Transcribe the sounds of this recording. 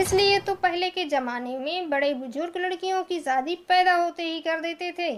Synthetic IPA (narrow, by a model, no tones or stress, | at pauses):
ɪsliet̪opɛɦleked͡ʒɐmaːnemẽbɐɽebʊd͡ʒʊɾɡlɐɽkijõkizaːd̪ipɛːd̪aɦoːt̪eɦikɐɾd̪eːt̪et̪ʰeː